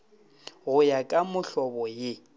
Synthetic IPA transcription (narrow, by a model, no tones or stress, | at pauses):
ɣʊjakʼamʊɬɔbɔjɪ